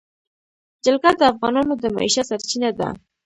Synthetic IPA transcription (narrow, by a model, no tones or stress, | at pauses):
d͡ʒəlkad̪əafɣɑnɑnod̪əma̰ḭʃasaɾt͡ʃinad̪a̰